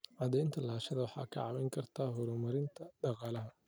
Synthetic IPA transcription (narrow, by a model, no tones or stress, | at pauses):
ʕɑd̪ɛjnt̪ʰɐlaːʃɐðɐwɑħɑ̰ːkʰɐ̰ʕɑ̰mɛjŋkʰɐrt̪ʰaːɦʊɾʊmɐɾɪnt̪ʰɐɖɑqɑːlɐɦɐ